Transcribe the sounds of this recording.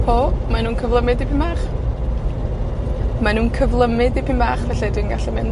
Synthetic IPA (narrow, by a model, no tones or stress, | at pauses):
pʰoːmanuːnkʰəvlˠəmɨdipʰimbaːχ | manuːnkʰəvlˠəmɪdipʰinmbaːχvɛɬɛdwinɡaɬɛmɪn